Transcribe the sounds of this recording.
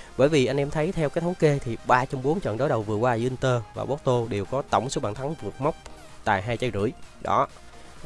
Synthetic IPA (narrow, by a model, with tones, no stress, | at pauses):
ɓəː˧˩jvi˨˩ʔa˧jŋ̟ʔɛ˧mt̪ʰə˨˦jt̪ʰɛ˧wkaː˦t̪ʰə˨˦wŋ͡mke˧t̪ʰi˨˩ɓaː˧t͡ɕɔ˧wŋ͡mɓo˨˦nt͡ɕwə̰˧˨nɗo˨˦jɗə˨˩wvɨ˨˩əkwaː˧ɨ˧ʔi˧nt̪əː˧va̰ː˨˩ɓo˨˦˥t̚t̪o˧ɗe˨˩wkɔ˨˦t̪ə˧˩wŋ͡mso˨˦ɓaː˧˨nt̪ʰa˨˦ŋvɨ˨˩ət̚ma˦˥wk͡p̚ | t̪a̰ː˧˨jɦaː˧jt͡ɕa˧˩jzɨ̰˧˩əjɗɔ̰˨˦